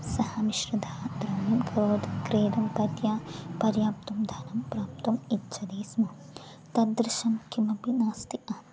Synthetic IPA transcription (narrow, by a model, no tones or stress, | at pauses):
sɐhɐniʃɾɐd̪ʱaːd̪ɾɐmimkɐɾoːd̪ʱkɾeːd̪umpɐt̪jaːpɐɾjaːp̚t̪umd̪ʱɐnɐmpɾaːp̚t̪umitːt͡ʃʰɐd̪iːsmɐ | t̪ɐd̪ɾɪʃɐmkimɐpinaːst̪iɐ